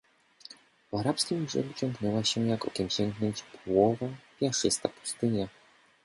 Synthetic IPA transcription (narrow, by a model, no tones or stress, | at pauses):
vaɾapskʲimbʐɛ̰ɡut͡ɕɔŋɡnɛwaɕɛjakɔkʲɛmɕɛŋɡnɔɲd͡ʑpɔwɔvapʲjaʂɘst̪a̰pu̥st̪ɘɲa